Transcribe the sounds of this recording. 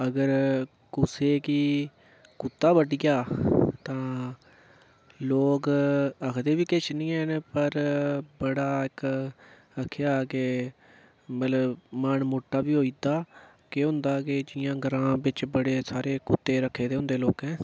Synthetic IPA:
əɡəɾ | kʊseːkiː | kʊt̪ːaːbəɖɪjaːt̪ãː | loːkəkʰd̪eːʋiːkɪt͡ʃnĩːɛːnpəɾbəɽaːɪk | əkʰːjaːkeː | mət̪ləbməɳmoːʈːaːbiːɦoːiːd̪aː | keɦʊ̃nd̪aːked͡ʒɪjãːɡəɾãːbɪt͡ʃbəɽeːsaːɾeːkʊt̪ːeːɾəkʰːeːd̪eːɦʊ̃nd̪eːloːkɦɛ̃ː

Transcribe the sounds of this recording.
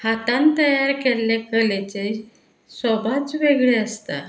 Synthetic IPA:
hat̪ãnt̪əjaɾkeɾlekəlet͡se | sɔbʱat͡sʋeɡɭeəst̪a̰

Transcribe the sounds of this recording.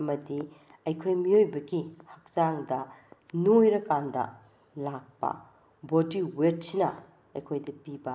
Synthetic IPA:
ɐmɐdi | ɐjkʰojmiojbɐɡihɐk̚saŋdɐnojɾɐkandɐ̰ | lak̚pɐ̰ | bodiwet̚sinɐ̰ | ɐjkʰojdɐpibɐ

